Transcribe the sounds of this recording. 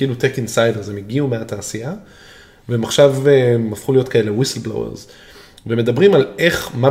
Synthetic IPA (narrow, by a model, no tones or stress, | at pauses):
kilut̪ekinsajdeʁzemiɡiumeat̪aːsia | veemaχʃavemafχulijo̞t̪kaelewislblo̰wḛʁz | veme̞d̪abʁimale̞χma